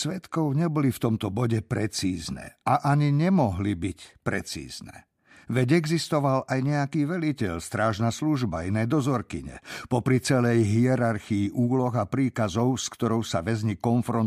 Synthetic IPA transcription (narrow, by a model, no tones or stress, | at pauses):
sʋɛt̪kɔʊɲɛbɔlift̪ɔmt̪ɔbɔɟɛpɾɛt͡siːznɛ̰ʔaʔaɲiɲɛmɔɦlibicpɾɛ̰t͡sḭːznɛ̰ | ʋɛɟɛɡzist̪ɔʋalajɲɛakiːʋɛlicɛʎst̪ɾaːʒnasluʒbainɛːd̪ɔzɔɾkiɲɛ̰pɔpɾit͡sɛlɛjɦiɛɾaɾxiiʔuːlɔɣapɾiːkazɔʊskt̪ɔɾɔʊsaʋɛzɲikɔnfɾɔn